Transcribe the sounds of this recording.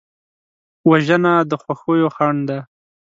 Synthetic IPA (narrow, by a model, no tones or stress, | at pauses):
waʒənad̪əxwaxojoxaɳd̪a